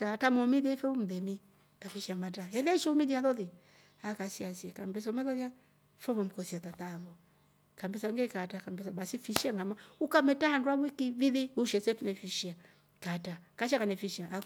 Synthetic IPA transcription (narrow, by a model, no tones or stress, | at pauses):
tatamɔmiðiɛfɛum̩ðɛmi | kafiʃiamataɛlɛʃɔumidiaðɔði | akasiasiakambɛs̬ɔmɛlɔðja | fɔβɔm̩kɔsiatat̪aβɔ | kambɛsaŋɡɛkatakambɛsabasifiʃiaŋɡamaukamɛtahandwaβwikiviðiuʃɛsɛtunɛfiʃia | katakaʃ̬akanɛfiʃiaʔa